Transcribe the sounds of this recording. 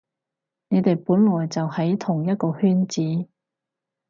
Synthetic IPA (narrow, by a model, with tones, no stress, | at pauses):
ne˨˧jt̪e˨jpuː˨˥nlɔː˨˩jt͡sɐ˨whɐ˨˥jt̪ʰʊ˨˩ŋjɐ˥t̚kɔː˧hyː˥nt͡siː˨˥